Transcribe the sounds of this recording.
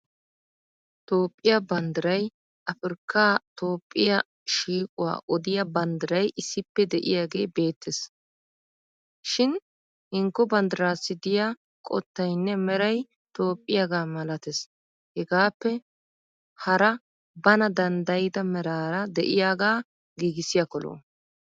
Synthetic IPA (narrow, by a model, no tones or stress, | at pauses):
t̪o̞ːpʼːɪjabɐnd̪ɪɾɐj | ʔɐfɪɾkːaːt̪o̞ːpʼːɪjɐ | ʃiːkʼʊwa̰ːʔɔd̪ɪjɐbɐnd̪ɪɾɐjʔɪsːɪpːɛd̪ɛʔɪ̰jaːɡe̞ːbe̞ːt̪ːes | ʃɪn | hɪŋkːɔbɐnd̪ɪɾaːsːɪd̪ɪja | kʼɔ̰t̪ːɐjnːɛmɛɾɐj | t̪o̞ːpʼːɪjaɡaːmɐlɐt̪ɛs | hɛɡaːpːɛ | hɐɾɐ | bɐnɐd̪ɐnd̪ɐjɪd̪ɐmɛɾaːɾɐd̪ɛʔɪjaːɡaː | ɡiːɡɪsɪjɐkɔlo̰ː